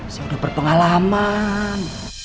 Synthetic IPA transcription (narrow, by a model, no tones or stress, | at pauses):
saudahbərpəŋalaman